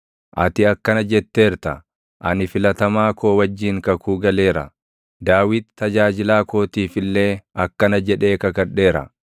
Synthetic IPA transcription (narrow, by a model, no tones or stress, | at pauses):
ʔɐ̰t̪ɪɐkːɐnɐd͡ʒɛt̪ːe̞ːɾt̪ɐ̰ | ʔɐnɪfɪlɐt̪ɐmaːko̞ːwɐd͡ʒːiːŋkɐkuːɡɐle̞ːɾɐ̰ | d̪aːwɪd̪t̪ːɐd͡ʒaːd͡ʒɪlaːko̞ːt̪iːfɪlːe̞ːɐkːɐnɐd͡ʒɛᶑe̞ːkɐkɐᶑe̞ːɾɐ̰